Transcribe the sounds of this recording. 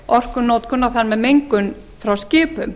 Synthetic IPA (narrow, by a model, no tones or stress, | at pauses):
ɔr̥kʏnoːwt̪̚kʰɔnːaθanmɛðmejŋkʏn | fɾawscɪːpʏm